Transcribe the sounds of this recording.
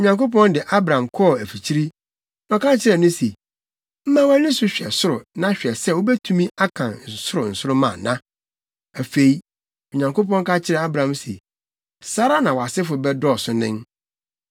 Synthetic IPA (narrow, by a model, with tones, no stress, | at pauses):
o˨ɲã˨ŋko˦p̬ɔ̃˦ndɪ˨ʔa˦bɾã˨mkʰɔ˦˨æ˨fi˨t͡ɕʰi˦ɾi˦ | nɔ̃˨kʰa˦t͡ɕʰɪ˦ɾɛ˨nʊ̃˦se˨ | m̩˦mã˦wæ˦nĩ˦sʊ˦ɕᶣɛ˨sʊ˦ɾʊ˨nã˦ɕᶣɛ˨sɛ˦˨wo˦bɛ˦tʰũ˦mĩ˦a˦kʰã˨nn̩˨sʊ˦ɾʊ˨n̩˨sʊ˦ɾʊ˦mã̰˨nã˦ | æ˨fe˨i˦ | o˨ɲã˨ŋko˦pɔ̃˦ŋ˦ka˦t͡ɕʰɪ˦ɾɛ˨a˦bɾã˨msḛ˨ | sa˦ɾa˦nã˨wɔ˨a˨sɪ˦fʊ˨bɛ˦dɔ˦˨sʊ˦nɪ̃˦n